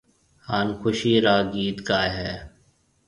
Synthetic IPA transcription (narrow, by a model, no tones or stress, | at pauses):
haːnkʰʊʃiːɾaːɡiːd̪kaːɦɛː